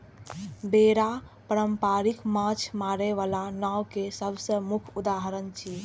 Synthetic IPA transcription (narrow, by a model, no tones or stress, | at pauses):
beɾa | pəɾəmpaɾikmat͡ʃʰmaɾeʋalanawkesəbsəmukʰud̪aɦəɾənt͡ʃʰi